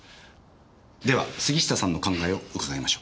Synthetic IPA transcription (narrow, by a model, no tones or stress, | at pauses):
d̪e̞βa̰sɨɡʲiɕi̥t̪asãnːo̞kãŋɡaeo̞ɯkaɡaemaɕo̞̥ː